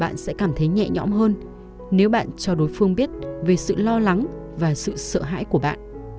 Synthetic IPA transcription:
ɓa̰ː˧˨nsɛ̰˧˥kaː˧˩mt̪ʰə˨˦jɲɛ̰˧˨ɲɔ̰˨˥mɦəː˧n | ne˨˦wɓa̰ː˧˨nt͡ɕɔ˧ɗo˨˦jfɨ˧əŋɓi˦˥ət̚ve˨˩sɨ̰˧˨lɔ˧la˨˦ŋ | vaː˨˩sɨ̰˧˨səː˧˨ɦa̰ː˧˥jku˧˩əɓa̰ː˧˨nʔ

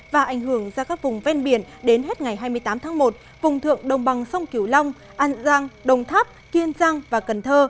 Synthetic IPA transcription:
vaː˨˩ʔa˨˧˩jŋ̟ɦɨ˧˩əŋzaː˧kaː˦˥k̚vʊ˨˩ŋ͡mvɛ˧nɓi˧˩ənɗe˨˦nɦe˦˥t̚ŋa˨˩jɦaː˧jmɨ˧əjt̪aː˨˦mt̪ʰaː˨˦ŋmo˨˩t̚ | vʊ˨˩ŋ͡mt̪ʰɨ̰˧˨əŋɗə˨˩wŋ͡mɓa˨˩ŋsə˧wŋ͡mki˧˩wla˧wŋ͡m | ʔaː˧nzaː˧ŋɗə˨˩wŋ͡mt̪ʰaː˦˥p̚ki˧ənzaː˧ŋvaː˨˩kə˨˩nt̪ʰəː˧

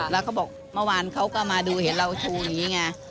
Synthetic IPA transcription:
lɛː˦˥wkʰa˦˥wbɔː˨˩k̚mɤ˥˩waː˧nkʰa˦˥wkaː˦˥˩maː˧duː˧he˩˦nɾa˧wt͡ɕʰuː˧ja˨˩ŋːiː˦˥˩ŋa˧

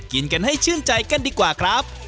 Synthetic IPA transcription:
ki˧nka˧nɦa˥˩jt͡ɕʰɯː˥˩nt͡ɕa˧jka˧˩˨ndiː˧kwaː˨˩kʰɾa˦˥p̚

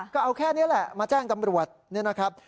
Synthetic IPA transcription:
kɔː˥˩ʔa˧wkʰɛː˥˩ni˦˥ɐlɛ˨˩ʔmaː˧t͡ɕaː˥˩ŋt̪a˧mɾu˨˩ət̪̚ni˥˩˨na˦˥kʰɾa˦˥p̚

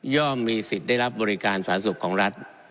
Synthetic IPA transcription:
jɔː˥˩mːiː˧si˨˩t̪̚daː˥˩jɾa˦˥p̚bɔː˧ɾi˦˥kaː˧nsaː˩˦nsu˨˩kʰːɔː˩˦ŋɾa˦˥t̪̚

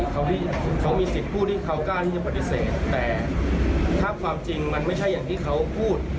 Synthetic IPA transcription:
kʰa˦˥wt̪i˥˩ | kʰa˦˥wmiː˧si˨˩t̪̚pʰuː˥˩t̪ʰiː˥˩k̪ʰa˧˦˥wklaː˥˩t̪ʰiː˥˩t͡ɕa˧˩pa˧˩t̪ːi˦˥seː˨˩t̪ːɛː˨˩ | t̪ʰaː˥˩kʰwaː˧mt͡ɕi˧ŋma˧nma˥˩jt͡ɕʰa˥˩jːaː˨˩t̪ʰiː˥˩kʰa˦˥wpʰuː˥˩t̪̚

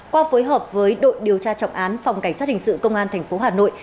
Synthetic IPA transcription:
kwaː˧foː˨˦jɦəː˨˩p̚vəː˨˦jɗo̰˧˨jɗi˨˩əwt͡ɕaː˧t͡ɕɔ̰˧˨wŋ͡mʔaː˨˦nfa˨˩wŋ͡mka˧˩ŋ̟saː˦˥t̚hï˨˩ŋ̟sɨ̰˧˨kə˧wŋ͡mʔaː˧nt̪ʰɛ˨˩ŋ̟fo˨˦ɦaː˨˩no̰˧˨j

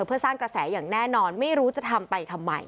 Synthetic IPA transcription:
pʰɯ˥˩ɐsaː˥˩ŋkɾa˧sɛː˩˦jaː˨˩ŋnɛː˥˩nɔː˧nma˥˩jɾuː˦˥t͡ɕa˨˩t̪ʰa˧mpa˧jt̪ʰa˧mːa̰˧j

